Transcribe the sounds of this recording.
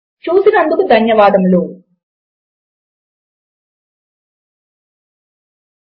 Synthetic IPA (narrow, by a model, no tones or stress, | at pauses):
t͡ʃuːsinɐnd̪ukud̪ʱɐnjɐʋaːd̪ɐmloː